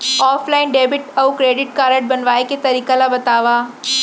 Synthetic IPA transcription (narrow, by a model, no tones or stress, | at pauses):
ɔːflaːɪnɖeːbɪʈɐukɾeːɖɪʈkaːɾəʈ̚bɐnʋaːeket̪ɐɾiːkalabɐt̪aːʋaː